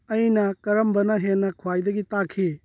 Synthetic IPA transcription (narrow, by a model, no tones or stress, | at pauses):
ɐjnɐkɐɾɐmbɐnɐɦenːɐkʰuwajdɐɡitakʰi